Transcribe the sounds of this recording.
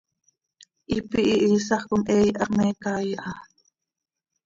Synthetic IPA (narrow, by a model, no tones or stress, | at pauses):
ʔipiʔiʔiːsɑχkʊmʔɛːjʔɑqmɛːkaːjʔɑ